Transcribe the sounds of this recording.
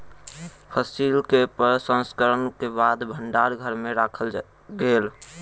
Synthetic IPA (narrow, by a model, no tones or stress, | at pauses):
pʰəsilkepəɾsə̃nskəɾənkebad̪bʱəɳɖaɾɡʱəɾmeɾakʰəl | ɡel